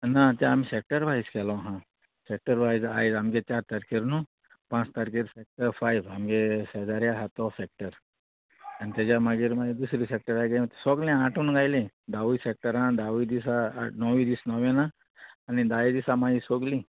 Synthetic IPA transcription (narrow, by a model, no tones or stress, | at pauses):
nat̪jãːmiːsek̚ʈəɾbʱaiskʰɛlɔɦã | sek̚ʈəɾbʱaid͡za̰jd͡zamɡet͡ɕaɾt̪əɾkiɾnũ | pãt͡st̪əɾkiɾfɛk̚ʈəɾfajʋamɡesəd͡zaɾjaɦat̪ɔfɛk̚ʈəɾ | anit̪jat͡ɕamaɡiːɾmaɡed̪usɾiːsek̚ʈəɾajɡet̪sɔɡlẽaʈʰuːnɡajled̪aʋusek̚ʈəɾãd̪aʋud̪isa̰nɔʋid̪iːsnɔʋenaː | ñid̪ajid̪isamaisoɡli